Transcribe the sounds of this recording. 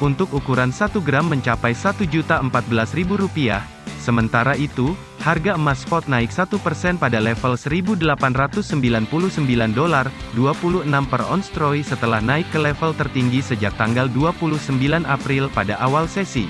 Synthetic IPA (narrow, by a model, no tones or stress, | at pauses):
unt̪ʊk̚ukuɾansat̪uɡɾamːəɲt͡ʃapajsat̪ud͡ʒut̪aəmpat̪̚bəlasribuɾupia̰h | səmənt̪aɾait̪u | harɡamaspɔt̪̚naɪksat̪upərsɛnpadalɛfəlsəɾibudəlapanrat̪ʊsːəmbilanpuluhsəmbilandolarduapuluənampərɔ̰nst̪ɾɔjsət̪əlahnaɪkːəlɛfəlt̪ərt̪iŋɡisəd͡ʒak̚t̪aŋɡalduapuluhsəmbilanapɾilpadaʔawalsesḭ